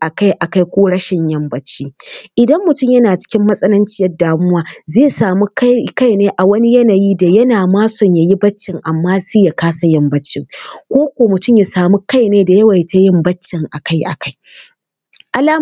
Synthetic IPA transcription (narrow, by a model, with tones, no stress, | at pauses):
ʔa˨ka˦jʔa˨ka˦jkʷoː˦ɽɐ˦ʃɪ˨ɲjɐ˦mbɐ˦t͡ʃːiː˦ʔɪ˨dɐ˦mːʊ˨tʊ˦mjɐ˦naː˨t͡ʃɪ̥˦kʲɪ˦mːɐ˦sʼɐ˦lɐ˦nt͡ʃɪ˦jɐ˦daː˨mʊ˦waː˦zeː˦saː˨mu˦kka˦jneː˦ʔa˨wɐ˦ni˦jɐ˦na˨jiː˦da˨jɐ˦naː˨maː˦sɔ˨ɲja˨ji˦bɐ˦t͡ʃːɪ˨ŋʔa˨mːaː˦si˦ja˨kaː˦sa˨jɐ˦mbɐ˦t͡ʃːɪ˦ŋkʷoː˦kʷoː˨mʊ˨tʊ˦˨mja˨saː˨mu˦ka˦jneː˦da˨jɐ˦wɐ˨jta˦jɪ˦mbɐ˦t͡ʃːɪ˨ŋʔa˨ka˦jʔa̰˨ka˦j | ʔa˨laː˦